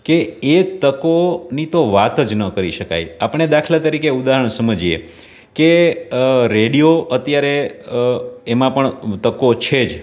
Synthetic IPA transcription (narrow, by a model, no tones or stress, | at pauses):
keet̪əkonit̪oʋat̪əd͡ʒnəkəɾiʃəka̰japəɳ̃ed̪akʰlat̪əɾikeud̪aɦəɳ̃səməd͡ʒiḛ | ke | ɾeɽijoət̪jaɾe | emãpəɳt̪əkot͡ʃʰed͡ʒ